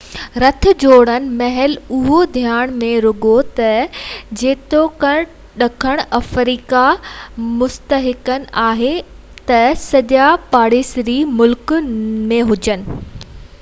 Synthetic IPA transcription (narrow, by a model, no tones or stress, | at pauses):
ɾɐt̪ʰʊ̆d͡ʑoːɽ̃ənɪ̆mɐɦɛlʊɦod̪ʱjaːɽ̃mẽɾʊɡot̪ɐd͡ʑeːt̪okɐɽ̃ | ɗɐkʰəɽ̃ɐfɾiːkamʊst̪əɦɪkənɪ̆ʔaːɦe | t̪ɐsɐʄapaːɽeːsɾimʊlkmẽɦʊd͡ʑənɪ̆